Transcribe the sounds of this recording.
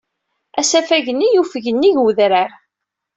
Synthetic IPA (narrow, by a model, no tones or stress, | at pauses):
æsæfæʝənːijufəʝənːiʝwðɾəɾ